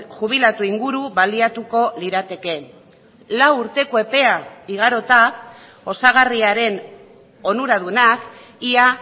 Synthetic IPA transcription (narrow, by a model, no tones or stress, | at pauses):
ʝuβ̞ilat̪uiŋɡuɾuβaliat̪uko̞liɾat̪e̞ke̞ | lawuɾt̪e̞koe̞pe̞aiɣ̞aɾo̞t̪a | o̞saɣ̞ariaɾe̞n | o̞nuɾaðuenak | ia